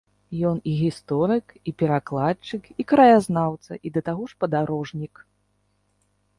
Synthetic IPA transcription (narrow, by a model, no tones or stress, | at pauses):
jɔniɣʲist̪ɔɾɨkipʲɛɾaklˠat͡ʂɨkikɾɐjaznawt̪sɐ̰ʔid̪ɐt̪aɣɔʂpɐd̪aɾɔʐnʲik